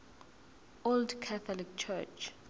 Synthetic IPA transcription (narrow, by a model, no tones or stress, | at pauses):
oldkʰaθɔlik̚t͡ʃʰɛt͡ʃ